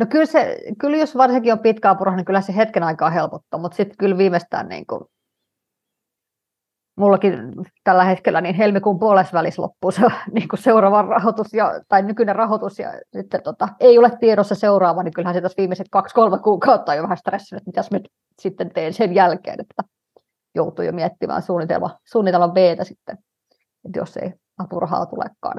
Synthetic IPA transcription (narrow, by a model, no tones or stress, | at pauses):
nokylsḛkyljosʋɑrsiŋkiompit̪kæɑpurhɑniŋkylhæsehet̪kenɑikɑːhelpot̪ːɑ̰ːmut̪sit̪kylʋiːmest̪æ̰ːnnḭːŋkṵ | mulːɑkint̪ælːæhet̪kelːæniːnhelmikuːmpuolesʋælislo̰pːuseoniːŋkuseurɑʋɑrrɑhot̪usjɑ̰t̪ɑinnykynerɑhot̪usjɑ̰sit̪ːet̪ot̪ɑeiolet̪t̪ieɾosːɑseurɑːʋɑniŋkylhæːnset̪ɑsʋiːmːˑeset̪kɑkskolmekuːkɑut̪ːɑːjoʋæhæst̪resːinet̪mit̪æsmyt̪ | sit̪ːent̪eːnsenjælkḛːnet̪ːæ | jout̪ṵːjo̰miet̪ːimʔæ̰ːnsuːnːit̪ḛlmɑ̰suːnːit̪elmɑʋʋeːt̪æsit̪ːe | et̪jo̰sːḛi | ɑpurɑhɑ̰ːt̪ulḛkːɑ̰ːn